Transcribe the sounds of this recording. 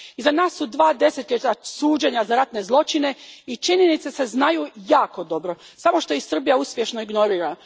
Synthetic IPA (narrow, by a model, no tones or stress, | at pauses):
izanaːsːud̪ʋaːd̪e̞set̪ʎʲet̪asuːd͡ʑeɲazaɾat̪ne̞zlˠo̞t͡ʃine̞it͡ʃiɲenit̪sese̞znajujaːko̞d̪o̞bɾo̞ | samo̞ʃt̪o̞jisr̩bijauspje̞ʃno̞iɡno̞ɾiːɾa